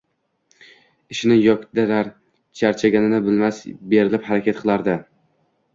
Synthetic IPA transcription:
ɪʃɪnɪjɒkʲd̪aɾaɾ | t͡ʃʰaɾt͡ʃʰaɡʲanɪnɪbɪlmasbe̞ɾɪlɪphaɾakʲʰat̪̚qʰɨlˠaɾd̪ɪ

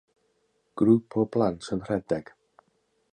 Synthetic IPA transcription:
ɡ̥ɾupʰɔblˠantʰənr̥ɛdɛɡ̥

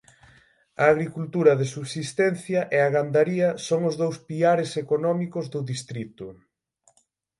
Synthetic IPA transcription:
ɐ̰ːɣɾikult̪uɾɐðesuβsist̪ɛn̟θjɐʔeaɣand̪aɾiɐsoŋʊzðowspiaɾesekonɔmikʊzðʊðist̪ɾit̪ʊ

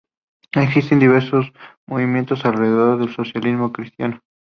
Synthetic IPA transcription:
eksist̪end̪iβ̞eɾsosmoβimjent̪osalreðeðo̞ɾðelso̞sjalizmo̞kɾist̪jano

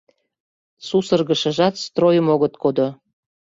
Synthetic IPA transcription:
susərɣə̆ʃə̆ʒɑt̪st̪rojəmoɣə̆t̪̚kod̪o

